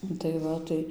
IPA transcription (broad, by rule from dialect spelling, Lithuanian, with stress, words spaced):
ˈnʊ tɐɪ ˈʋɐ tɐɪ